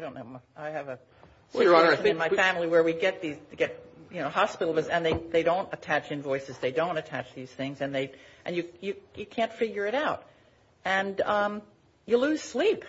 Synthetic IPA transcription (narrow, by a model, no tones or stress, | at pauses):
adɾõʊ̃nːoʊmaɪɨvɨ | sə̃ɨ̃nmaɪfæ̃ml̩ˠiwə˞wiɡɛt̪̚ðizɡɛt̚jɨnoʊhɑspɪɾl̩ˠvzɨ̃nðeɪðeɪɾõʊ̃ntɨtʰæt͡ʃɨ̃nvɔɪsɨzðeɪdõʊ̃ntɨtʰæt͡ʃðiz̥θɪ̃ŋzɨ̃nðeɪʔɨ̃njɨjɨjɨkʰæ̃ntfɪɡjə˞ɨɾaʊɾ | ɨ̃nʌ̃m | jɨlʉz̥slip